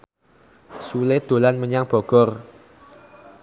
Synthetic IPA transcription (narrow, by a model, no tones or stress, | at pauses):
suled̪̥o̤lanməɲaŋb̥ɔ̤ɡ̥ɔr